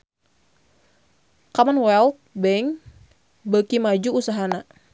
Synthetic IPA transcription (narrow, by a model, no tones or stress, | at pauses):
kamanwɛlt̪̚bɛŋ | bəkimad͡ʒuːsaɦana